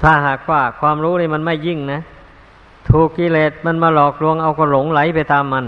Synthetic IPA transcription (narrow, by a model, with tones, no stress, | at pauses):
t̪ʰaː˧˩ɦaː˨˩k̚waː˧˥˩kʰwaː˧mɾuː˦˥niː˥˩ma˧nma˥˩jːi˥˩ŋna˦˥ | t̪ʰuː˨˩kːiː˧˩leː˨˩t̪̚ma˧˥˨nmaː˧lɔː˨˩k̚lu˧əŋʔa˧wka˧˩lo˨˩˦ŋla˨˩˦jpa˧jt̪aː˧mːa˧n